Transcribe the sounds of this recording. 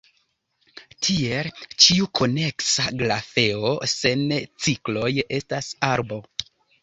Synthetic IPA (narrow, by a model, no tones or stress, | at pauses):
tʰie̞lt͡ʃiukʰo̞ne̞ksaɡlafe̞o̞se̞nt͡siklo̞je̞stasaɾbo̞